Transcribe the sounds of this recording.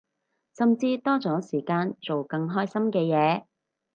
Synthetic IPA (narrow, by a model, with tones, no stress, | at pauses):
sɐ˨mt͡siː˧t̪ɔː˥t͡sɔː˨˥siː˨˩kaː˧nt͡so˨wkɐ˧ŋɦɔː˥jsɐ˥mkɛː˧jɛː˨˧